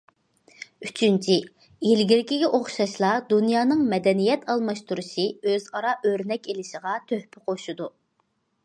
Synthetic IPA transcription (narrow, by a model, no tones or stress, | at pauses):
yt͡ʃʰynt͡ʃʰi | ilɡʲiɾɪkʲiɡʲɛʔoχʃɑʃlˠɑd̪unjɑːnɨŋmɛd̪ɛnijɛt̪ʰɑlˠmɑʃt̪uɾuʃiøzɑɾɑʔøɾnɛkʲelɪʃəʁɑt̪ʰøhpʰɪqʰoʃud̪u